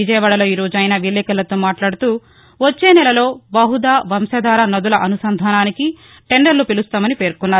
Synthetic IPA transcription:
id͡ʒɐjɐʋaːɽɐlo̞ːiɾo̞ːd͡ʒɐjnaːʋilːɛːkɐlɐt̪o̞ːmaːʈlaːɽut̪uː | ʋot͡ʃːe̞ːnɛlɐlo̞ːbɐɦud̪aːʋɐmsɐd̪aːɾɐnɐd̪ulɐʔɐnusɐnd̪ʱaːnaːniki | ʈeɳɖɐɾlupilust̪aːmɐnipe̞ːɾkunːaːɾu

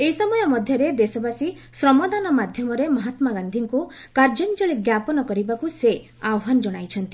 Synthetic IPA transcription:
eisɔmɔjɔmɔd̪ʱjɔɾed̪esɔbasi | sɾɔmɔd̪anɔmad̪ʱjɔmɔɾemɔɦat̪maɡand̪ʱiŋku | kaɾd͡ʒɔnd͡ʒɔɭeɡjapɔnɔkɔɾibakuse | awɔɦanɔd͡ʒɔɽ̃ajt͡ʃʰɔnt̪i

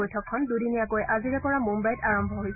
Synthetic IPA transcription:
ojtʰɔkʰːɔndudiniakojʔaziɹɛpɔɹamumbajtaɹɔmbʱɔɦojs

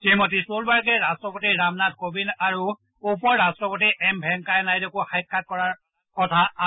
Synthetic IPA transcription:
timɔtisolbaɹkɛɹastɹɔpotiɹamnat̚kobinaɹu | upɔɹːastɹɔpɔtiʔɛmbʱɛŋkajɛnajdekuxajkːat̚kɔɹaɹ | kɔtʰa

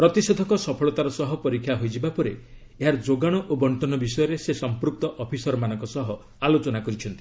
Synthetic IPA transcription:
pɾɔt̪ised̪ʱɔkɔsɔpʰɔɭɔt̪aɾɔsɔɦɔpɔɾikʰːjaɦojd͡ʒibapɔɾe | eɦaɾd͡ʒoɡaɽ̃ɔʔobɔɳʈɔnɔbisɔjɔɾesesɔmpɾuk̚t̪ɔʔɔpʰisɔɾɔmanɔ̃ŋkɔsɔɦɔ | alot͡ʃɔnakɔɾit͡ʃʰɔnt̪i̥

